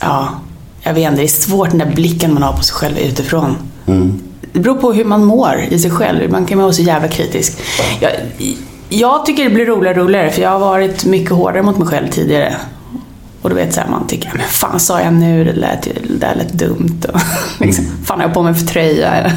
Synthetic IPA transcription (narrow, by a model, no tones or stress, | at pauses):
ʔɑː | jɑɡveːt̪nd̪ɛːsvoːʈ̚ɖɛnd̪æɾblɪkːənmanhaɾpʰɔsɛjɧɛlvʉ̟̰ːt̪ɪfɾon | d̪̥ɛbɛɾuːɾpʰɔɦɵmanmoːɾɪsɛjɧɛ̰lvʉ̰blankʰanmavɑːsɔjæːvlakʰɾḭːt̪ɪ̰skjɑ̰ | jɑːɡt̪ʰʏkːəɖɛblɪɾːuːlɪɡɾuːlɪɡaɾəfœɾjɑːɡhaɾvɑːɾɪt̪mʏkːəɦo̰ːɖaɾəmʊt̪mɛjɧɛlvt̪ʰḭːd̪ɪɡaɾə̰ | ʔɔd̪ɛvḛːt̪sæ̰ːɾma̰nt̪ʰʏkːəamɛnfa̰ːnsɑːjanʉ̟ːd̪ɛ̰d̪æ̰t̪ʰɪ̰d̪ɛæ̰ɭɛ̰t̪ːd̪ɵ̰mt̪ɔlɪksɔmfaːnhɛjapʰoːmɛfœt̪ʰɾœjːa̰ɛ̰lːə